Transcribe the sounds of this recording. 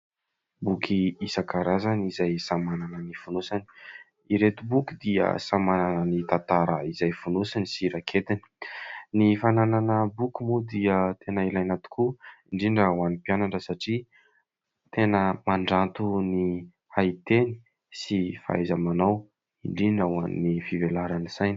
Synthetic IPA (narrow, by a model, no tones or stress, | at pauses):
bukʰiisakaɾazanizajsamananənifunusani̥ | iɾet̪ubukid̪iə̰samananənit̪ant̪aɾəizajfunusanisiɾakʰet̪ini̥nifanananəbukumud̪iət̪ʰenəilajnat̪u̥kʰuiɳɖ͡ʐiɳɖ͡ʐawanipianaɳɖ͡ʐəsaʈ͡ʂi | t̪enəmaɳɖ͡ʐant̪uni | hait̪eni̥ | sifa̰ajzamanaw | iɳɖ͡ʐiɖ͡ʐawa̰nːifivelaɾanisajni̥